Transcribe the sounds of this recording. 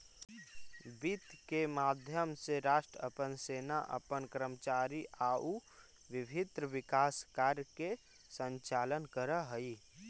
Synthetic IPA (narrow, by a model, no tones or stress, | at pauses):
bit̪kemaːd̪ʱjəmseɾaːʃʈɾəə̰pənseːnaʔə̰pənkɾəmət͡ʃaːɾiaːu | ʋɪbʱɪd̪ɾəʋɪkaːskaːɾjəke | sə̃ɲt͡ʃaːlənkəɾəɦəi